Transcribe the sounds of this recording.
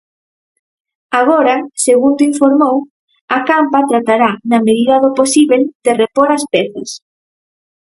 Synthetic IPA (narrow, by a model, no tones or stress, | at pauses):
aɣ̞oɾɐseɣund̪iɱfoɾmow | ɐkampɐt̪ɾat̪aɾanɐmeðiðɐðoposiβeld̪̥erepoɾɐspɛθɐs